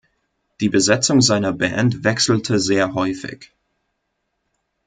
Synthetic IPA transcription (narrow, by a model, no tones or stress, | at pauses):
d̥iːbəzɛt͡sʊŋzaɪnɐbɛ̰ntvɛksl̩tʰəzeːɐɦɔʏfɪ̰ç